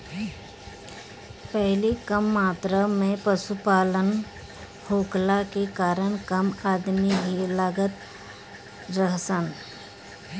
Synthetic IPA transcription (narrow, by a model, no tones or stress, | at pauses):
pɛɦlikəmːaːt̪ɾamẽpəsupaːlən | hoːklakekaːɾəɳ̃kəmaːd̪miɦilaːɡət̪ | ɾəɦsən